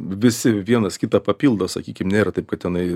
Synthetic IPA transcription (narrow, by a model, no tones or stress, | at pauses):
ʋʲɪsʲɪʋʲiɛnɐskʲɪt̪ɐpɐpʲiːlˠd̪oːsɐ̰kʲiːkʲɪmnʲeːɾɐt̪ɐɪp̚kɐt̪tʲɛnɐɪ